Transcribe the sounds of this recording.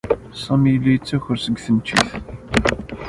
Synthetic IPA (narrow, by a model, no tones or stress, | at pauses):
sˤɑmilːijət͡sːæçʊɾsəɡθənt͡ʃːḭθ